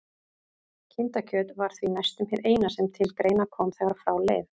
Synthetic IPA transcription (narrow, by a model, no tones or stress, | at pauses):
cʰɪnt̪acʰœːt̪vaɾ̥θvinajst̪ʏmhɛðeːjnasɛmt̪ʰɪlkɾeːjnakʰɔːmθɛɣaɾfɾaːwlḛːv